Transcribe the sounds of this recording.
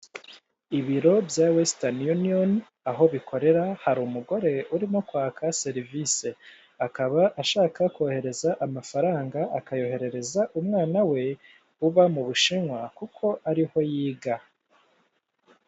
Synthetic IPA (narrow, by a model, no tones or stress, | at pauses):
iβiɾo̞bjawestanjunion | aɦo̞βikʰo̞ɾe̞ɾahaɾuːmuɡo̞ɾe̞uɾimo̞kwaːkʰase̞ɾivise | akaβaʔaʃaːkakohe̞ɾe̞zaʔamafaɾaːŋɡaakajo̞he̞ɾe̞ɾe̞zaʔumŋaːnawe̞ | uβamuβuʃiŋwakukʰo̞ʔaɾiho̞jiːɡa